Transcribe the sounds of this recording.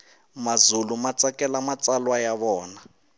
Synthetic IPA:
mazulumat͡sʼakɛlamat͡salwajaβɔːna

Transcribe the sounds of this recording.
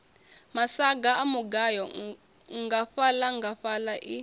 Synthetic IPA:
masaɡaamuɡajɔ | ŋɡaɸalaŋɡaɸalaʔi

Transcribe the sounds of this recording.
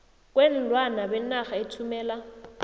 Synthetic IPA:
kʼwen̩lwanabɛnaχaɪtʰumɛːla

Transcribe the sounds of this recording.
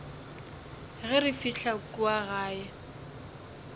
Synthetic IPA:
ɣɛrɪfiɬakʼuaɣaːjɛ

